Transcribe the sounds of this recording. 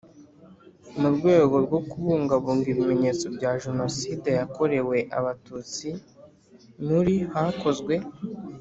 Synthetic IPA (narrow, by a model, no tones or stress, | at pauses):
muɾɡwe̞ːɡo̞ɾɡo̞kuβuːŋɡaβuːŋɡiβime̞ɲe̞ːt͡so̞bɟaːʒeno̞siːdejako̞ɾe̞we̞ʔa̰βatut͡si | nuɾihako̞zɡwe̞